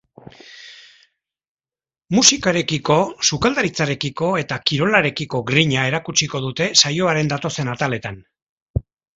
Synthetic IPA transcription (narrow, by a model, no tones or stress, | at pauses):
musikaɾe̞kiko̞sukald̪aɾit͡saɾe̞kiko̞e̞t̪akiɾo̞laɾe̞kiko̞ɡɾiɲae̞ɾakut͡ʃiko̞ðut̪e̞sajo̞aɾe̞nd̪at̪o̞se̞nat̪ale̞t̪an